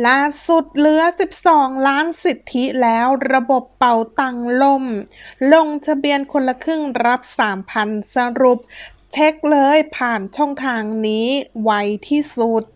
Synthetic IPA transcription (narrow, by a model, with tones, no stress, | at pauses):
laː˥˩su˨˩t̪̚lɯ˦˥ɐsi˨˩p̚sɔː˩˦ŋlaː˦˥nsi˨˩t̪ʰːi˦˥lɛː˦˥wɾa˧bo˨˩pːa˨˩wt̪a˨˩ŋlo˧˩mlo˧ŋt̪ʰa˧bi˧ənkʰo˧nla˧kʰɯ˥˩ŋɾa˦˥p̚saː˩˦mpʰa˧nsa˧ɾu˨˩p̚ | t͡ɕʰe˦˥k̚lɤː˧jpʰaː˨˩nt͡ɕʰɔ˥˩ŋt̪ʰaː˧ŋniː˦˥wa˧jt̪ʰiː˥˩su˨˩t̪̚